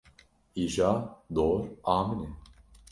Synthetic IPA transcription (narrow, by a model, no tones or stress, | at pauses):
iʒaːd̪oːɾaːmine